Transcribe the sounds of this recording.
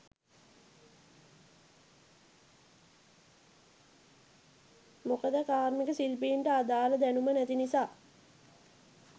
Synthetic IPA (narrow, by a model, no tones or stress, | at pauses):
mokəd̪əkaːrmikəsilpiːɳʈəad̪aːləd̪ænumənæt̪inisaː